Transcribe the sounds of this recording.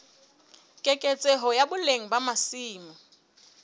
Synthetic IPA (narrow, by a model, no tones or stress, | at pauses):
kʼekʼet͡sʼeɦɔjabʊleŋ̩bamasiːmɔ